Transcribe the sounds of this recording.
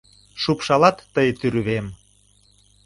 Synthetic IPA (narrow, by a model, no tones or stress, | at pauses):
ʃupʃɑlɑt̪ːəjt̪yɾyβem